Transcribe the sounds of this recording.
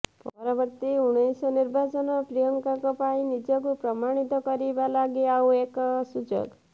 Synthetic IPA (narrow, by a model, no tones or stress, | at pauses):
pɔɾɔbɔɾt̪iuɽ̃esɔniɾbʱat͡ʃɔnɔpɾijɔŋkakɔpaĩnid͡ʒɔkupɾɔmaɽ̃it̪ɔkɔɾibalaɡiaweksud͡ʒɔ̰ɡ